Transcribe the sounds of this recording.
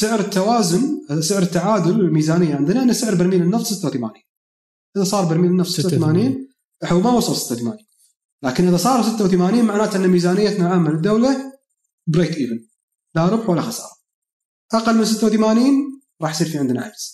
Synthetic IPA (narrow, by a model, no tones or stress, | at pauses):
sɪʕɾɪt̪ːawaːzʊnsɪʕɾɪt̪ːaʕaːd̪ʊllmiːzaːnɪjːaʕɪnd̪naʔɪnːasɪʕɾbaɾmiːlənːɑft̪ˤsɪt̪ːawθama̰ːniːn | ʔɪðasˤɑːɾˤbaɾmiːlənːɑfsˤsɪt̪ːawθamaːniːn | ħawmawɑsˤɑlsɪt̪ːawθmaːniːn | laːkɪnʔɪðasˤɑːɾˤsɪt̪ːawθamaːniːnmaʕnaːt̪ʔɪnːamiːzaːnɪjːat̪naʕaːmːalɪd̪ːowla | bɾeːt̪ʔiːvɪn | laɾˤʊbħwalːaxɑsˤɑ̰ːɾˤɑ | ʔaqɑlːməɪnsɪt̪ːawθamaːniːn | ɾˤɑːħjsˤiːɾfiʕɪnd̪naʕa̰ɡz̥